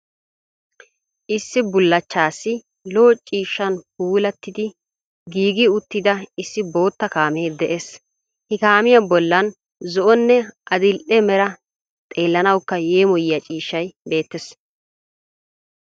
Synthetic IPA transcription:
ʔɪsːɪbʊlːɐt͡ʃːaːsːɪ | lo̞ːt͡ʃʼiːʃːɐnp̚uːlɐt̪ːɪd̪ɪ | ɡiːɡɪʊt̪ːɪd̪ɐɪsːɪbo̞ːt̪ːɐkaːmeːd̪ɛʔes | hɪkaːmɪjɐbɔlːɐn | zɔʔɔnːɛʔɐd̪ɪlʔɛmɛɾɐ | t̪ʼe̞ːlːɐnɐwkːɐje̞ːmɔjɪjɐt͡ʃʼiːʃːɐjbe̞ːt̪ːɛs

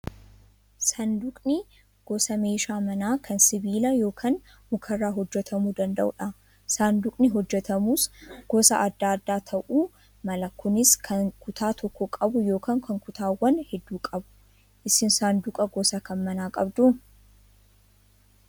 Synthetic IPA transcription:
sɐnd̪ʊkʼnɪ | ɡ̥ɔsɐme̞ːʃaːmɐnaːkʰɐnsɪbiːlɐjo̞ːkʰaːn | mʊkʰɐrːaːɦɔd͡ʒːɛt̪ʰɐmuːd̪ɐnd̪ɐ̰ʔʊ̰ᶑɐ | sand̪ʊkʼnɪɦɔd͡ʒːɛt̪ɐmuːsɡ̥ɔsɐʔɐd̪ːaːd̪ːaːt̪ʰɐʔuː | mɐlɐkːʊnɪskʰɐnkʊt̪ʰaːt̪ʰɔkːɔkʼɐbʊjo̞ːkʰaːŋkʰɐŋkʊt̪aːwːɐnhɛd̪ːuːkʼɐbʊ̥ | ʔɪsɪnsaːnd̪ʊkʼɐɡɔsɐkɐnmɐnaːkʼɐbd̪ʊ

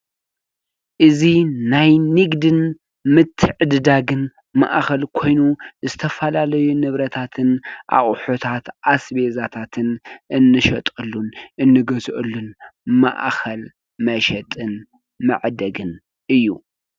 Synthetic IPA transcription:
ʔɨzinajnɨɡd̪ɨn | mɨt̪ʰːɨʕɨd̪ɨd̪aɡɨn | ma̰ʔxɐlkʰo̞jnuzɨt̪ʰɐfɐlalɐjunɨβɾɐt̪ʰat̪ʰɨnʔa̰χʼħot̪ʰat̪ʔasbezat̪ʰat̪ʰɨnʔɨnːɨʃɐt̪ʼɨlːunʔɨnːɨɡɐzʔɨlːunma̰ʔxɐl | mɐʃɛt̪ʼɨn | mɨ̰ʕd̪ɐɡɨn | ʔɨjːu

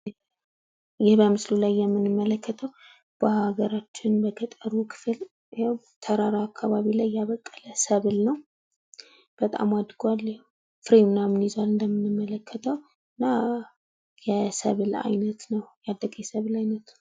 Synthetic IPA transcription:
jɪhbəmɨslulajːɛmːɨnɨmːələkʰːət̪ʰəw | b̥əhaɡəɾat͡ʃːɪnbək̪ʰət̪ʼəɾukʰɨ̥fɨl | t̪ʰəɾaɾaakʰːaβaβilajːaβəkʼːələsəβlnəw | b̥ət̪ʼa̰mad̪ɡalː | fɾimnamnizalɨnd̪əmːɨnːɨmːələkʰːət̪ʰəw | ɨnːa | jɛsəβɨla̰jnət̪nəwjad̪ːəɡʼjɛsəβɨlajnət̪n

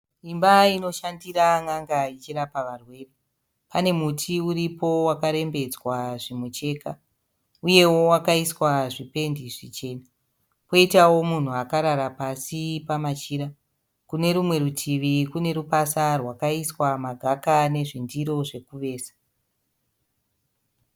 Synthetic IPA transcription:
imbaino̞ʃandiɾaŋaŋɡait͡ʃiɾapaʋarwe̞ːre | pane̞mutʰiuɾipo̞wakaɾe̞mbe̞d͡zwaʐimwet͡ʃe̞ka | uje̞wo̞wakaiswaʐipe̞ndiʐit͡ʃe̞ːna | po̞itawo̞mun̤uakaɾaɾapasipamat͡ʃiːɾa | kune̞ɾumwe̞ɾutʰiʋikune̞ɾupasarwakaiswamaɡʱakane̞ʐindiɾo̞ʐe̞kuʋe̞ːsḁ

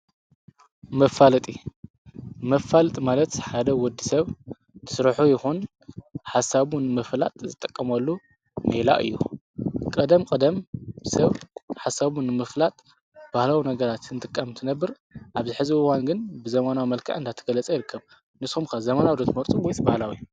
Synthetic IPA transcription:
mɐfalɐt̪ʼi | mɐfːalt̪ʼmalɐt̪ħad̪ɐwɔd̪ːisɐβ | t̪ʰɨ̥sɨɾħujɪxun | ħasaβunɨmɨfla̰t̪ʼzɨt̪ʼːɐkʼːɐmɐlːu | mela̰ʔɨ̰jːṵ | kʼɐd̪ɐmkʼɐd̪ɐmsɐβħasaβunɨmɨflat̪ʼ | b̥ahlawinɐɡɐɾat̪ɨnt̪ʼɨkʼːamt̪ʰɨnɐbːɨɾ | ʔaβzɨħɨziɨwanɡɨnbɨzɐmanawimɐlkʰa̰ʕɨnd̪at̪ʰɐ̥ɡɐlɐt͡sʼɐjɪɾɨkʰːɐβ | nɨsxumkʰazɐmanawd̪ot̪ʰɨmɐɾt̪ʼuwɔjsbahlawi

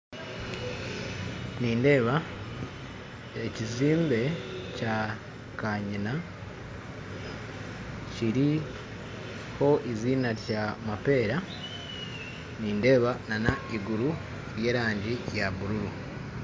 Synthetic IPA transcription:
niːnde̞ːβa | eciziːmbe̞ca | kaɲina | ciɾi | ho̞ʔiziːnaɾjamape̞ːɾa | niːnde̞ːβananaiɡuɾu | ɾje̞ːɾaːɲɟijaβuɾuɾu

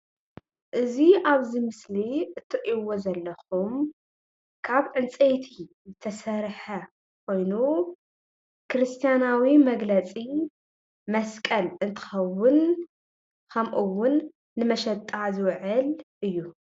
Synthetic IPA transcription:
ʔɨziʔaβzɨmɨsliʔɨt̪ʰːɨʔiwozɐlːɐxum | kʰaβʕɨnt͡sʼejt̪ʰizɨt̪ʰɐsɐɾħɐ | kʷʰo̞jnu | kʰɨɾɨst̪ʰijanawimɐɡlɐt͡sʼi | mɐskʼɐlɨnt̪ʰɨ̥xɐwʊn | kʰɐmʔuwʊnː | ɨmɐʃɐt̪ʼːazɨwʕɨlʔɨjːu

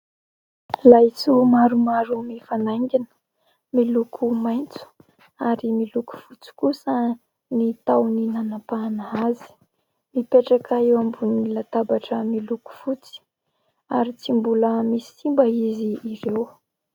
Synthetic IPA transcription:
lajt͡sumaɾumaɾumifanaŋɡʲinə̥ | milukʰumajnt͡su̥ | aɾimiluku̥fut͡si̥kusə | nit̪awninanapanaazi̥ | mipeʈ͡ʂakaewambunilat̪abaʈ͡ʂəmiluku̥fut͡si̥ | aɾit͡simbuləmisi̥simbəiziːɾew

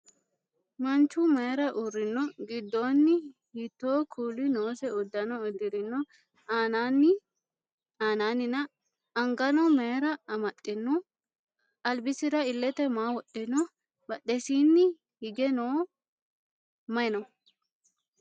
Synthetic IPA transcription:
mɐnt͡ʃːʊmɐjɛɾɐʔuɾːɪnːɔɡɪd̪ːoːnːɪhit̪ːo̞ːkʰuːlɪnoːsɛʊd̪ːɐnɔɔd̪ɪɾɪnːɔ | aːnanɪ | aːnaːnɪnɐː | ŋɡɐnɔmɐɾɐɐmɐtʼːɪnːɔ | ɐlbɪsɪɾɐɪlːɛt̪ɛmaːwɔɗɪnɔ | bɐɗɛsiːnːɪ | hɪɡɛnoː | mɐɪnɔ

